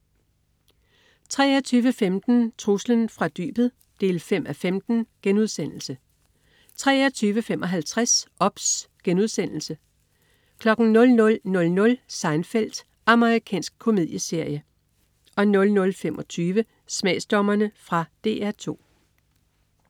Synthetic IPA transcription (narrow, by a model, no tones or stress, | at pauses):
t͡sʰʁɛ̰ːæt͡sʰyːʋəfemd̥n̩t͡sʰʁuslənfʁɑ̈d̥y̰ːb̥ð̩ˠ | d̥e̝̰ːlfem̰ʔæfemd̥n̩ɡ̥enuð̞ˠsen̰l̩sə | t͡sʰʁɛ̰ːt͡sʰyːʋəfemʔɒ̽ɦælt͡sʰʁasɒ̽b̥sɡ̥enuð̞ˠsen̰l̩sə | kʰlɒ̽ɡ̥n̩nɔ̽lnɔ̽lnɔ̽lnɔ̽lsɑ̈ɪnfel̰d̥ | ɑ̈məʁikʰɛ̰ːnsɡ̥̚kʰo̝mið̞̰ˠjəse̝ɐ̰jə | ɒ̽nɔ̽lnɔ̽lfemʔɒ̽t͡sʰyːʋə | smɛ̰ːsd̥ɒ̽mɐnəfʁɑ̈d̥e̝̰ːæɐt͡sʰo̝̰ː